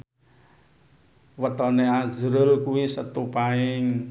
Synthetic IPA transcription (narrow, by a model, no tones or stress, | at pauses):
wət̪ɔneḁd͡ʒəɾʊlkuwisət̪upaɪŋ